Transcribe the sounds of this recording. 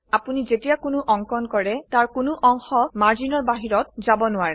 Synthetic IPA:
apunizetijakʊnʊʔɔŋkɔnkɔɹɛtaɹkʊnʊʔɔŋxɔmaɹzinɔɹbaɦiɹɔt̚zabɔnʊwaɹɛ

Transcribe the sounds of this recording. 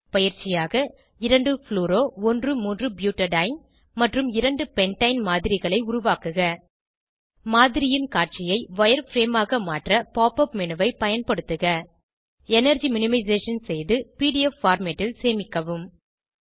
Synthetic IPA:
pɐjɪɾt͡ʃɪjaːɣɐ | ɪɾɐɳɖɯfɭuːɾoːɔndrɯmuːndrɯbjuːʈːɐɖɐɪn | mɐʈrɯmɪɾɐɳɖɯpɛɳʈɐɪnmaːðɪɾɪɣɐɭɐɪʊɾʊʋaːkɯɣɐ | maːðɪɾɪjɪnkaːʈ̚t͡ʃɪjɐɪʋɐjɐɾfɾeːmaːɣɐmaːʈrɐpaːpɐpmɛnɯʋɐɪpɐjɐnpɐɽɯt̪ːɯɣɐ | ɛnɐɾd͡ʒimɪnɪmɐɪzeːʂɐnsɛjðɯpiːɽɪjɛfːaːɾmeʈːɪlseːmɪkːɐʋɯm

